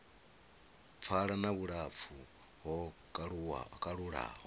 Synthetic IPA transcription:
p̪fʰaɺanaβuɺap̪fʰu | ɦɔ | ukʼaɺuɺa̰ɦ

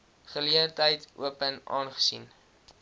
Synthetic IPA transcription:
χəliəntəjtʔṵəpənʔɑ̰ːnχə̥sḭn

